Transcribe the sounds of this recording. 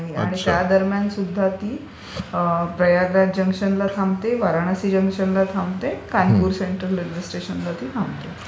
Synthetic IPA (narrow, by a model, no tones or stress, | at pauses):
ɦia̰ɽ̃it̪jad̪əɾmjansud̪ʱːat̪iː | pɾəjaɡɾad͡ʑəŋkʂənlat̪ʰamt̪eʋaɾaɽ̃asiːd͡ʑəŋkʂənlat̪ʰamt̪ekajpuːɾseɳʈɾəlɾed͡ʑisʈɾeɕənlat̪iːt̪ʰãmt̪e